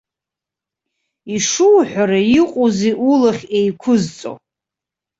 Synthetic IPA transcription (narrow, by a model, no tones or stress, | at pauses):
iʂuwħʷᶣaɾaiqʼozeʔulaχʲejkʷʰʊzt͡sʼo̰